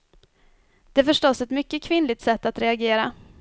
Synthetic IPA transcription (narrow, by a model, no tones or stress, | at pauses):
d̪̥ɛæfœʂʈɔsɛt̪mʏkːəkʰvɪnlɪɡ̚t̪sɛt̪ːat̪ɾɛaɡeːɾa